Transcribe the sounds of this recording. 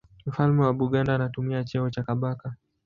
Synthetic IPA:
m̩falmɛwaɓuɠandaːnatumiat͡ʃɛɔt͡ʃakaɓaka

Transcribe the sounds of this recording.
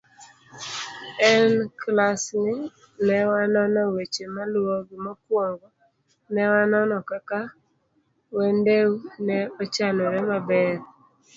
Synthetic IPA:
ɛnklasnɪ | nɛwanɔnɔwet͡ʃemalwoɡɪmɔkwɔŋɡɔ | nɛwanɔnɔkaka | wendewnɛɔt͡ʃanɔɾɛmabɛɾ

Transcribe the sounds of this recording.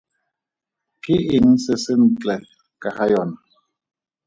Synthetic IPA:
kɪin̩sɪsɪn̩t͡ɬɛ | kʼahajɔn

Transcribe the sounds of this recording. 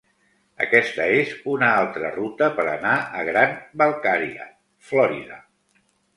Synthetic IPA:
ə̰kɛst̪əezunəalˠt̪ɾə̰rut̪əpəɾənaəɣɾanbəlˠkaɾiə̰ | flɔɾiðə

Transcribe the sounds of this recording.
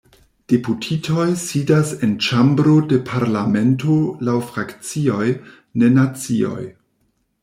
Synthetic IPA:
d̥eputʰitʰo̞jsidasent͡ʃambɾode̞pʰaɾlame̞ntolawfɾakt͡sio̞j | ne̞nat͡sio̞̰j

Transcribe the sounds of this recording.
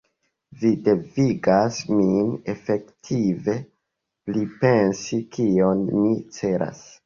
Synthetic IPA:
vide̞viɡasmine̞fe̞ktʰive̞ | plipe̞nsikio̞nmit͡se̞ɾʔa̰s

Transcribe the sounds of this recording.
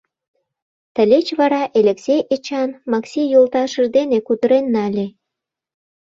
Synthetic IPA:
t̪əlʲet͡ɕβɑɾɑʔelʲeksʲejet͡ɕɑnmɑksijolt̪ɑʃəʒd̪enekud̪əɾenːɑlʲe

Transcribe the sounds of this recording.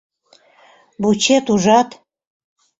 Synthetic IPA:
but͡ɕet̪uʒɑt̪

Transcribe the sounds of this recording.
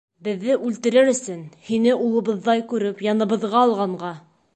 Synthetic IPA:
bɘ̆ðːɘʔʉlt̪ɘ̆ɾɘɾɵ̆sɵnhinɘʔulˠɤ̆βɤ̆ðːɑjkʉɾɘpjɑnɤ̆βɤ̆ðʁɑːlˠʁɑɴɢɑ

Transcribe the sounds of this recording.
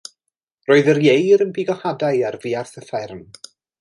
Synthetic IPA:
roːɨðərjejɾənbiɡɔhadajarviːarθəθɛrm

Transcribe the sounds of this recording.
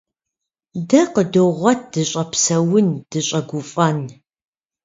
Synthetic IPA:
dɐqədɨʁʷɐt̚ʰd̥ɨɕʼɐpsɐwʊnd̥ɨɕʼɐɡʷʊfʼɐn

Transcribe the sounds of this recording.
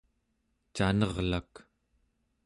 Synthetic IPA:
t͡ʃanʌʁlak

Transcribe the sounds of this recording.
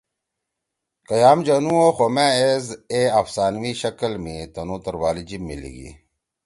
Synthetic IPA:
kɐjaːmd͡ʑɐnũoxomeezeafsaːnwiɕɐkɐlmit̪ɐnuːt̪ɐɾwaːlid͡ʑimːḭlḭɡḭ

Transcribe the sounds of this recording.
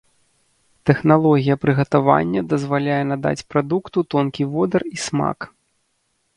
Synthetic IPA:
t̪ɛxnalˠɔɣʲijɐpɾɨɣɐt̪ava̰nʲːɐd̪ɐzvalʲajɛnad̪a̰t͡sʲpɾad̪ukt̪ut̪ɔnkʲivɔd̪ɐrisma̰k

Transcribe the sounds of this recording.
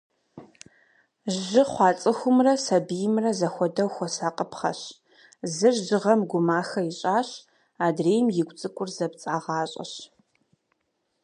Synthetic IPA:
ʒʒɨχʷɑːt͡sʼɨxʷʊmrɐsɐbijɪmrɐzɐxʷɔdɐwxʷɔsaːqʼəpʰχɐ̰ɕ | zɨʒʒɨʁɐmɡʷʊmaːxɐjɪɕʼaːɕ | aːdreːjmjɪɡʷʼt͡sʼɨkʷʼʊrzɐpt͡sʼaːʁɑːɕʼɐ̰ɕ

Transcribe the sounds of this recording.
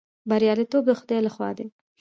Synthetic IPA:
baɾjɑlit̪ob̚d̪əxʊd̪ɑjlaxwɑ̰d̪e

